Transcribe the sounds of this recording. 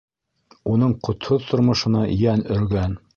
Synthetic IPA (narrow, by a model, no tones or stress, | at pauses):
unɤɴqŏt̪hoðt̪ŏɾmŏʃɤ̆nɑjænɵ̆ɾɡæn